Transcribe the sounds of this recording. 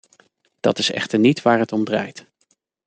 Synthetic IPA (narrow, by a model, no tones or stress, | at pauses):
d̥ɑ̰tɪsɛ̰χtəɹnitʋaːɹɦətɔmdraːjt